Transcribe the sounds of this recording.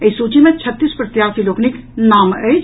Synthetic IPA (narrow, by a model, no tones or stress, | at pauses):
əisut͡ʃimẽt͡ʃʰət̪ːispɾət̪jaːsiloːkniknaːməjt͡ʃ